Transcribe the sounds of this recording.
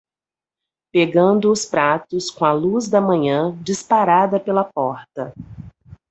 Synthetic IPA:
peɡɐ̃nd̪ʊːspɾat̪ʊskõɐluzd̪ɐmɐ̃ɲɐ̃d͡ʒispaɾad̪ɐpelɐpɔɾt̪ɐ

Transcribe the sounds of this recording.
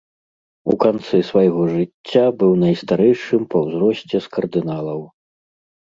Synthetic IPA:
ṵkant̪sɛsvajɣɔʐɨt͡sʲːabɨwnɐjst̪aɾɛjʂɨmpɐwzɾɔsʲt͡sʲɛskɐrd̪ɨnalˠɐw

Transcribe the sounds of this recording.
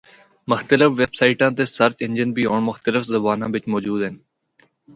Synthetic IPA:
mʊxt̪əlɪfʋeːbsaːiʈãːt̪eːsəɾt̪ɪ̃nd͡ʒɪnbiːoːɳmʊxt̪əlɪfzəbaːnãːʋɪt͡ʃmoːd͡ʒuːd̪ɦɛn

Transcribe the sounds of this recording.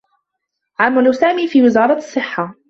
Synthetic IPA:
ʕamːalusaːmiːfiːwɪzɑːɾˤɑsˤːɨħːa

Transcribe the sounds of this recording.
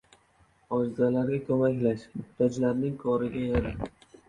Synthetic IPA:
ɒd͡ʒzalaɾɡʲakʰɵmakʲlaʃmʊt̪ʰat͡ʃlaɾnɪŋkʰɒɾɪɡʲajaɾɪ

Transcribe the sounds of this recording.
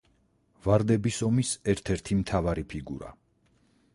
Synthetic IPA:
vaɾd̪ɛbisɔmisɛɾt̪ʰɛɾt̪ʰimt̪ʰavaɾipʰiɡṵɾa̰

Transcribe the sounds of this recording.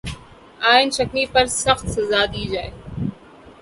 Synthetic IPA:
aːɪnʃɐknipɐɾsɐxt̪sɐzaːd̪iːd͡ʒaːe

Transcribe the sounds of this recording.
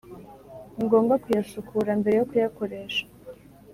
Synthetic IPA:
ŋɡo̞ːŋɡakujasukʰuɾambe̞ɾejo̞kujako̞ɾe̞ːʃḁ

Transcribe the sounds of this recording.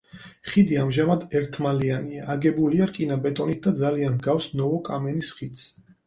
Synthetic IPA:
χid̪iamʒamad̪ɛɾt̪ʰmalianiaːɡɛbuliaɾkʼinabɛt̪ʼɔnit̪̚d̪ad̪zalianɡafsnɔɔkʼamɛnisχit̪sʰ

